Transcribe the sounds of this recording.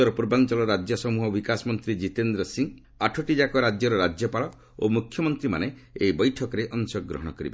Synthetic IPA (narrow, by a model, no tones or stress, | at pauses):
ɔɾɔpuɾbant͡ʃɔlɔɾad͡ʒjɔsɔmuɦɔbikasɔmɔnt̪ɾid͡ʒit̪end̪ɾɔsiŋ | aʈʰɔʈid͡ʒakɔɾad͡ʒjɔɾɔɾad͡ʒjɔpaɭɔ | omukʰːjɔmɔnt̪ɾima̰ne | ejbɔjʈʰɔkɔɾeʔɔŋsɔɡːɾɔ̰ɦɔɽ̃ɔkɔɾḭbe